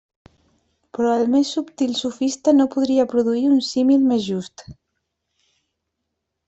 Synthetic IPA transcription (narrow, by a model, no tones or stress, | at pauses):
pɾɔelmesːupt̪ilsufist̪anopuðɾiapɾuðuiɾunsimilmezʒust̪